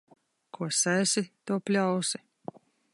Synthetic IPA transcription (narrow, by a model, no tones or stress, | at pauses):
kʰuɔsasʲit̪uɔpʲlʲawsi̥